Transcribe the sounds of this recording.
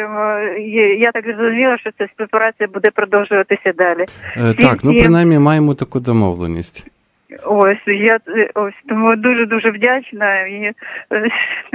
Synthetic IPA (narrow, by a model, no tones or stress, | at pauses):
m | jat̪akɨzɐzʊmʲilˠɐʂt̪osʲasʲpʲɾʲɪpɐɾat̪sɨjɐbud̪ɛpɾɐd̪olˠʐɨʋɐt̪ɨsʲɐd̪alʲɪt̪eaknupɾɪnajmʲimajɪmʊt̪ɐkujd̪ɐmo̰ʋlˠḛnʲisʲtʲ | osʲjaosʲd̪ʊmud̪uʐɨd̪uʐɨvdʲat͡ɕnɐi